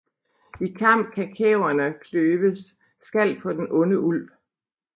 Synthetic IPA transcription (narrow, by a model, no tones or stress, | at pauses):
ikʰɑ̈m̰b̥̚kʰækʰɛʊɐnəkʰløːʋəs | sɡ̥æl̰̚pʰɒ̽d̥enʔɔ̽nəʔul̰ʋ